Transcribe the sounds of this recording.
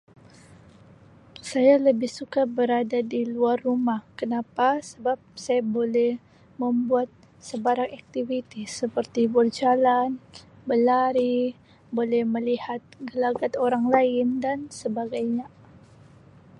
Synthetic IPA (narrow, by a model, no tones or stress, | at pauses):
sajaləbɪhsukabəɾadadiluarːumahkənapasəbap̚sajabolɛh | məmbuat̪̚ | səbaɾakak̚t̪ivit̪isəpərt̪ibərd͡ʒalan | bəlaɾi | bolɛhməlihat̪̚ɡəlaɡat̪oɾaŋlaɪndansəbaɡajɲa